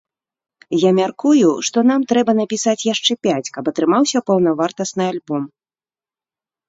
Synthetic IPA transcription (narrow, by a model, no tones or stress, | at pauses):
jamʲarkujuʂt̪ɔnamt̪ɾɛbɐnɐpʲisat͡sʲjaʂt͡ʂɛpʲat͡sʲkɐpɐt̪ɾɨmawsʲɐpɐwn̪ɐvart̪ɐsnɨalʲbɔm